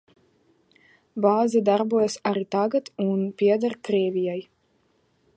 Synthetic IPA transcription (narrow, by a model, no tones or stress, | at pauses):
baːzɛd̪aɾbuɔjasaɾit̪aɡat̪unpʲiɛd̪aɾkɾiɛvʲijaj